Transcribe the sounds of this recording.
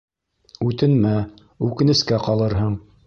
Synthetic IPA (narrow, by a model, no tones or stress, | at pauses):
ʉt̪ɘ̆nmæ | ʉkɘ̆nɘ̆skæqɑlˠɤɾɦɤɴ